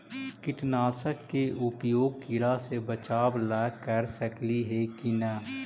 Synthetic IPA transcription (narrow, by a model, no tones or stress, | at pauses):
kɪʈnaːsəkːeʔʊpjoːɡ̚kɪɾasebət͡ʃaːʋlaːkːəɾsəkliɦɛkinə